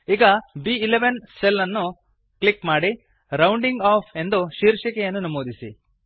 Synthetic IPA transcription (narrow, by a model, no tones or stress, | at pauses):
iːɡɐbiːleʋenselːɐnːu | klikmaːɽi | ɾɐwɳɖiŋɡaːpʰe̞nd̪uʃiːɾʂɐkɛjɐnːunɐmoːd̪isḭ